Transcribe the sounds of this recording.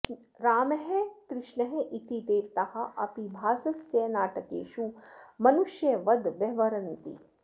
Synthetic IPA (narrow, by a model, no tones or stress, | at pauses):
ɾaːmɐɦekɾɪʂnɐɦeʔit̪id̪eːɾt̪ɐhɐ̆ʔɐpibʱaːsɐsjɐjnaːʈɐkḛːʃumɐnuʃjɐʋɐd̪ʋjɐʋɐɾɐnt̪ḭ